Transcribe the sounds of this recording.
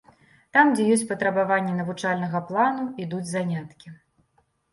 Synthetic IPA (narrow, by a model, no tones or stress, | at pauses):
t̪amd͡zʲɛjɔsʲt͡sʲpɐt̪ɾɐbavanʲːɛnɐvut͡ʂalʲnɐɣɐplˠanuid̪ud͡zʲzanʲat̪kʲi